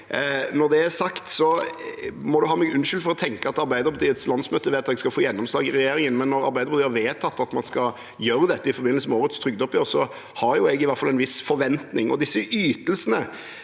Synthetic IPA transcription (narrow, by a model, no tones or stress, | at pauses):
nɔɾd̪ɛæsɑkt̪sɔ | mɔd̪ʉɦɑːmɛːɡʉnʃʏlfɔɾɔt̪ʰɛŋkəɑt̪ɑɾbæɪd̪əɾpʰɑt̪ʰiːət̪slɑnsmøːt̪əʋeːt̪ɑt̪ɛɡskɑfoːjɛnːɔmslɑːɡɪɾʁɛjeːɾɪŋənmɛnːɔɾɑ̰ɾbæɪd̪əɾpʰɑt̪iːhɑɾʋeːt̪ʰɑt̪ːɑt̪mɑnskɑ | jøːɾəd̪ɛt̪ːəɪfɔɾbɪnlsəmɛoːɾət̪st̪ʰɾʏɡd̪ɔpːjɪøːsɔ | hɑɾjʊɛɡɪʋæt̪fɑlɛnʋɪsfɔɾʋɛnt̪nɪŋɔ̰d̪ɪsːəʔyːt̪əlsənə